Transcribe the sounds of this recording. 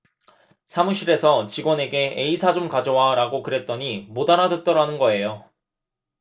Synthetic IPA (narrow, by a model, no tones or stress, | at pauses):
sʰamuɕʰiɾe̞sʰʌt͡ɕiɡwʌne̞ɡe̞eisʰad͡ʑomkad͡ʑʌwaɾaɡokɯɾe̞t̚t͈ʌɲimodaɾadɯt͈ʌɾanɯnɡʌe̞jo